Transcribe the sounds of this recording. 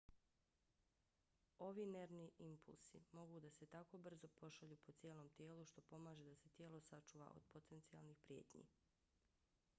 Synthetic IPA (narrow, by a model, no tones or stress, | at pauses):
o̞ʋiːne̞ɾniimpṵlˠsḭmo̞ɡud̪ase̞t̪ako̞br̩zo̞po̞ʃaʎuːpo̞t̪sjeːlo̞ːmt̪jeːluʃt̪o̞po̞maːʒed̪ase̞t̪jeːlˠo̞sat͡ʃuːʋa̰ʔo̞̰d̪̥̚po̞t̪e̞nt̪sialnixpɾje̞ːt̪ɲḭ